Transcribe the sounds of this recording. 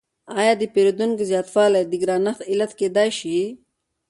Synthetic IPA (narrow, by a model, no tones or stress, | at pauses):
aːjɑːd̪ipeɾud̪unkzjaːt̪faːlad̪iɡɾaːnɐt̪ilɐt̪keːd̪aːjʃi